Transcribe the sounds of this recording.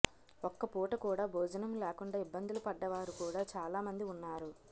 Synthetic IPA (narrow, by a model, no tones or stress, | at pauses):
ɔkːɐpuːʈɐkuːɽaːbʱɔːd͡ʒɐnɐmlɛːkuɳɖaːibːɐnd̪ulupɐɖːɐʋaːɾukuːɽaːt͡ʃaːlaːmɐnd̪iunːaːɾu